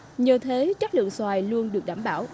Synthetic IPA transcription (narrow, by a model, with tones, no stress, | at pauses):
ɲəː˧˩t̪ʰe˨˦t͡ɕa˦˥k̚lɨ̰˧˨əŋswaː˨˩jlu˧ənɗɨ˨˩ək̚ɗaː˧˩mɓaː˧˩w